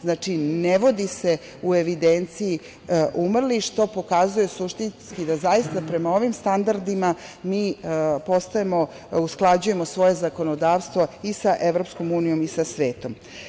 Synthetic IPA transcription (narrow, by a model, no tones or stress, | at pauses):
znaːt͡ʃineʋo̞d̪ise̞ | ue̞ʋid̪ent̪siji | ʔumrliʃt̪o̞po̞kazujesuʃt̪inskid̪azajist̪apɾe̞mao̞ʋimst̪and̪aɾd̪ima | miːpo̞st̪aemo̞ | usklˠad͡ʑuje̞mo̞sʋo̞je̞zako̞nod̪aːʋst̪ʋo̞isaʔe̞ʋɾo̞psko̞muːnijo̞misasʋe̞ːt̪om